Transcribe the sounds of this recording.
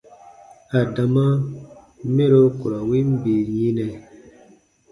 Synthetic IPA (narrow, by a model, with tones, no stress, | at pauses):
a˨da˨ma˦ | me˦ɾo˦ku˨ɾa˨wi˦m˦bi˨jĩ˦nɛ˨